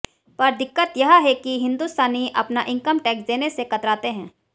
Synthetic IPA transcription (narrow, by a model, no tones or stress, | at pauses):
pɐɾd̪ɪkːət̪jɐɦɦɛkiɦɪ̃nd̪uːst̪aːniʔɐ̰pnaʔɪ̃ŋkəmʈɛːksd̪eːnesekɐt̪ɾaːt̪eɦɛ̃ː